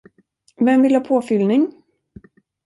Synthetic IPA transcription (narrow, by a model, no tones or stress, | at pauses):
vɛmvɪlhɑːpʰoːfʏlnɪŋ